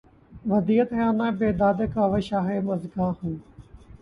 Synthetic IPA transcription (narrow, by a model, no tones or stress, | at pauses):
ʋɐd̪iːət̪ɦjaːnãːbeːd̪aːd̪ekaːʋeʃaːɦeːmɐzɡaːhun